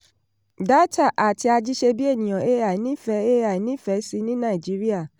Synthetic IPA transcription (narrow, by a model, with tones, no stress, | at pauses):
da˦ta˦˨ʔa˨ti˧a˧d͡ʒi˦ʃe˧bi˦e˦˨nĩ˨j̃ɔ̃˨e˦a˨nĩ˨˦fɛ˨˦e˦a˨i˨nĩ˦fɛ˨˦si˧nĩ˦nã˦˨i˨d͡ʒi˨˦ɾi˦a˦˨